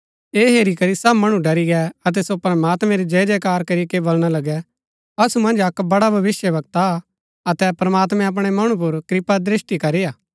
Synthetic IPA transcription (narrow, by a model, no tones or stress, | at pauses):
eːɦeːɾikɐɾisɐbmɐɽ̃ũɖɐɾiɡɛɐt̪̬ɛsopɾɐmaːt̪mɛ̃ɾid͡ʒɐd͡ʒɛkaːɾkɐɾikebolɽ̃alɐɡɛ | ɐsumɐ̃nd͡ʒɐkbɐɽabʱɐʋɪsjəʋɐɡ̚t̪a | ɐt̪ɛpɾɐmaːt̪̬mɛ̃ɐp̬ɽ̃ɛmɐɽ̃ũp̬ʊɾkɾɪpad̪ɾɪsʈikɐɾijaː